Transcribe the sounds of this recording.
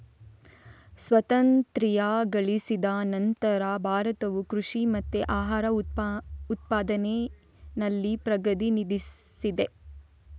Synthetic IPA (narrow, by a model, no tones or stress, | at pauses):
sʋɐt̪ɐnt̪ɾijaːɡɐɭisid̪ɐnɐnt̪ɐɾabʱaːɾɐt̪ɐʋukɾuʂimɐt̪ːeʔaːɦaːɾɐ | ut̪̚paːd̪ɐne | nɐlːipɾɐɡɐd̪inid̪isid̪e̞